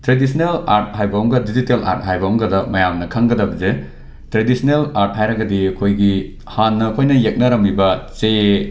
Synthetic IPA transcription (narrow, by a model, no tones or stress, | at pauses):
tɾedisʰnelaɾt̚hajbɐɦɔŋɡɐdizitela̰ɾt̚ɦajbɐɔŋɡɐdɐmɐjamnɐkʰɐŋɡɐdɐbze | tɾedisʰnelaɾt̚ɦajɾɐɡɐdiɐkʰojɡi | hanːɐkʰojnɐjek̚nɐɾɐmibɐt͡ʃe